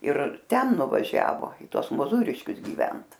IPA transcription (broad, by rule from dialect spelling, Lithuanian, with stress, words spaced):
ɪr ˈtʲɛn nʊʋɐˈʒʲæːʋoː ɪ ˈtuɔs moːˈzuːrʲɪʃʲkʲʊs ɡʲiːˈʋʲɛnt